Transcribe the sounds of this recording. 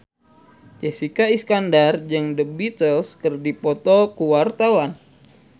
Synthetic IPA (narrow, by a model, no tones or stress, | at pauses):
t͡ʃɛsikaiskandard͡ʒɨŋdəbit̪əlskərdipɔt̪ɔkuwart̪awan